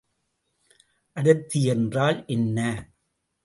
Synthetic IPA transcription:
ʔɐɽɯt̪ːɪjɛndraːlʔɛnːɐ

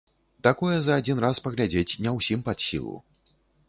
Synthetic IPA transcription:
t̪akɔjɛzɐːd͡zʲinraspɐɣlʲad͡zʲet͡sʲnʲɛwsʲimpat̪sʲḭlˠṵ

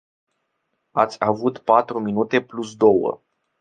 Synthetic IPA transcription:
at̪sʲavut̪pat̪ɾuminut̪e̞plus̬d̪o̞wə̰

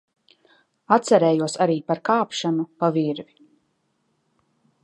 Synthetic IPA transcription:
at̪sɛɾɛːjuɔsaɾiːpaɾkaːpʃanupaviɾvi

